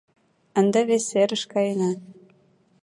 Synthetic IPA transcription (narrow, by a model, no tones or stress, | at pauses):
ə̆nd̪ɘ̆βeseɾə̆ʃkɑjɤnɑ